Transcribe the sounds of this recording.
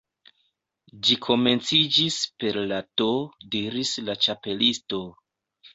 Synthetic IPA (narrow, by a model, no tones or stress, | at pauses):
d͡ʒikʰo̞me̞nt͡sid͡ʒispe̞ɾlatodiɾislat͡ʃape̞listo̞